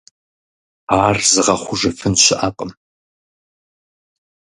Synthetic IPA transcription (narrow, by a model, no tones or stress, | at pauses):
aːrzɨʁɐχʷʊʒɨfɨnɕɪʔɐqʼəm